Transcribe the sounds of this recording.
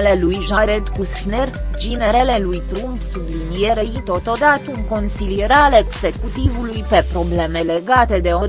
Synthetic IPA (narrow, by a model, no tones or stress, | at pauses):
le̞lujʒaɾet̪kust̪nerd͡ʒineɾele̞lujt̪ɾumpsublinijeɾeit̪o̞t̪o̞d̪at̪əuŋko̞nsilijeɾaleɡze̞kut̪ivulujpe̞pɾo̞ble̞me̞le̞ɡat̪e̞d̪e̞oɾ